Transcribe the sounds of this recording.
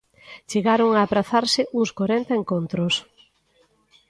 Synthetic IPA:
t͡ʃeɣaɾoŋaːpɾaθaɾsɪʔuŋskwoɾɛnt̪ɐeŋkont̪ɾʊs

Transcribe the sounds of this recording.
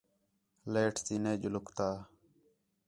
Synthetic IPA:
leːʈʰsiːneːd͡ʒʊlʊkt̪aː

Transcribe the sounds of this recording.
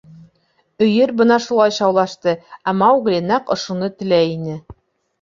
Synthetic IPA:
ɵ̆jɘɾbɤnɑʃulˠɑjɕɑwlˠɑʃt̪ɤæmɑwɡlʲenɑqŏʃunɤt̪ɘ̆læjinɘ

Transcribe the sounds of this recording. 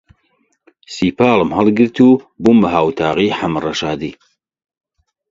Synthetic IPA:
siːpʰaːlɨmhɐlˠɡɨɾt̪ʰubumɐɦaːwt̪ʰaːʁiːħamrɐʃaːd̪iː

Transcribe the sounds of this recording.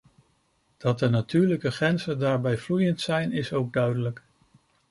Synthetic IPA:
d̥ɑt̚dənatyːɹləkəχɛnzəndaːɹbɛjvlujəntsɛjnɪsowɡ̚dœɥdələk

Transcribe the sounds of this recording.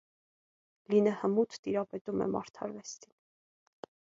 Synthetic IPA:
linəhəmut̪ʰt̪iɾɑpɛt̪umɛ̰mɑ̰ɾt̪ʰɑɾvɛst̪ʰin

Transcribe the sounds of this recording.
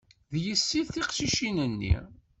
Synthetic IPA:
ðjəsːiðθiqʃiʃinənːḭ

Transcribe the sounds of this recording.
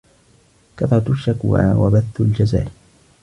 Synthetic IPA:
kɑt̪ˤɾˤɑt̪ʃːakwa̰wa̰baθːald͡ʒaza̰ːl

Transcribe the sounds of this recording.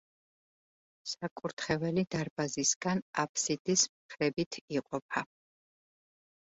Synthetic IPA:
sakʼuɾt̪ʰχɛvɛlid̪aɾbazisɡ̥anapʰsid̪̥ismχʰɾɛbit̪ʰiqʼɔpʰa

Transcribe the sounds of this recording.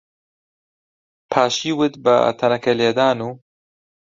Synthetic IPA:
pʰaːʃiːwɨt̪bɨ̰t̪ʰɐnɐkɛleːd̪aːnuː

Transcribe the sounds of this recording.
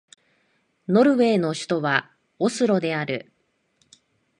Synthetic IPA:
no̞ɾɯ̟βe̞ːno̞ɕɨ̥t̪o̞βa | osɨɾo̞d̪e̞aɾɯ̟̰

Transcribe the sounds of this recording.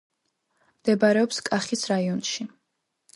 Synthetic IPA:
md̪̥ɛbaɾɛɔpskʼaχisɾaiɔnʃi

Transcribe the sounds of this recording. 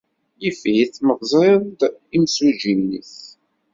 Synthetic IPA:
jəfhiθməʁzˤɾeðd̪imsuʒinːḭθ

